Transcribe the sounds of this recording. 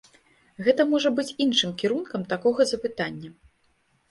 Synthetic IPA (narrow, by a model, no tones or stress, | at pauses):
ɣɛt̪ɐmɔʐɐbɨt͡sʲinʂɨmkʲiɾunkɐmt̪akɔɣɐzɐpɨt̪anʲːɐ